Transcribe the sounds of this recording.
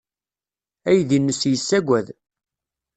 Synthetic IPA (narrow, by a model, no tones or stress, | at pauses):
æjðinːəsjəsːæɡʷæð